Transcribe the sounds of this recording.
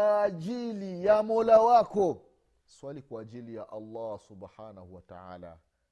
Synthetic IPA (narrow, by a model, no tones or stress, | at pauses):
ʄilijamɔlawakɔ | swalikwaːʄilijaʔalːɑsubħaːnahuwata̰ʕa̰ːla̰